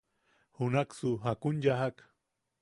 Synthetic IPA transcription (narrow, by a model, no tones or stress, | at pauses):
hʊnaksʊɦakʊnʎaɦak